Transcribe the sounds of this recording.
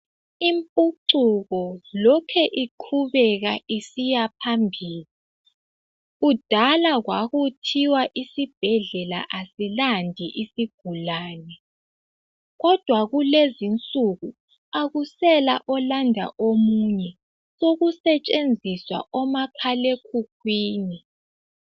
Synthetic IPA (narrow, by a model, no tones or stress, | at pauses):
impʼuǀuɣɔlɔkʰɛʔiǃʰuβɛɣaʔisijapʰambʱiːli | ɣud̥ʱalaɣwaɣutʰiwaʔisib̥ʱɛɮɛla̰ʔasilandʱiʔisiɡ̥ʱulaːnɛ | ɣɔd̥ʱwaɣulezint͡sʼuɣu | aɣusɛlaʔɔlandʱa̰ʔomuɲɛ | soɣusɛt͡ʃʼend͡zʱiswa̰ʔɔmapʰalekʰuk̚ʰwiːni